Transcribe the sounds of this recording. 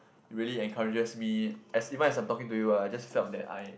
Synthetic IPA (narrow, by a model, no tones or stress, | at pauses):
ɹiəliɛ̃nkʰaɹid͡ʒəsmiɛsivə̃nɛsãjmtɔkĩŋtujuajd͡ʒasfɛldɛ̰ta̰j